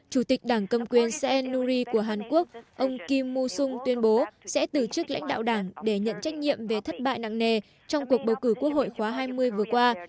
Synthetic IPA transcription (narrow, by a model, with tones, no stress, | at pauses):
t͡ɕu˧˩t̪i˨˩k̟̚ɗaː˧˩ŋkə˧mkwi˨˩ənsɛ˧ʔɛ˧nːu˧zi˧ku˧˩əɦaː˨˩nku˦˥ək̚ʔə˧wŋ͡mki˧mːu˧sʊ˧ŋ͡mt̪wi˧ənɓo˨˦sɛ̰˧˥t̪ɨ˧˩t͡ɕɨ˦˥k̚la̰˧˥jŋ̟ɗa̰ː˧˨wɗaː˧˩ŋɗe˧˩ɲə̰˧˨nt͡ɕa˦˥jk̟̚ɲḭ˧˨əmve˨˩t̪ʰə˦˥t̚ɓa̰ː˧˨jna̰ː˧˨ŋŋe˨˩ | t͡ɕɔ˧wŋ͡mku˨˩ək̚ɓə˨˩wkɨː˧˩ku˦˥ək̚ho̰˧˨jxwaː˨˦ɦaː˧jmɨ˧əjvɨ˨˩əkwaː˧